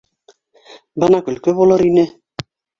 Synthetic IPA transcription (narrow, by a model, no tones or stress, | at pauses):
bɤnɑkɵ̆lkɵβulˠɤɾinɘ